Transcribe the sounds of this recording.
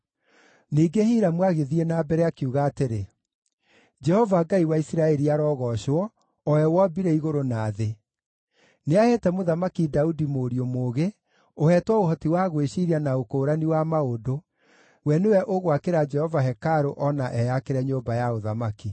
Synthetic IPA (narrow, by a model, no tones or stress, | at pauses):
niːɡehiɾamwaɣeðienaːbɛɾɛakiuɣaːteɾe | d͡ʒɛhɔvaɡaiwaisiɾaɛɾiaɾɔːɣɔʃwɔ | ɔɛwɔbiɾɛiɣoɾonaːðe | neahɛtɛmoðamakidaudimoɾiomoːɣe | ohɛtwɔohɔtiwaɣweɕiɾianaokoːɾaniwamaodo | wɛnewɛʔoɣwakeɾad͡ʒɛhɔvaɦɛkaɾoʔɔnaʔɛjakeɾɛɲoːmbajaoðamaki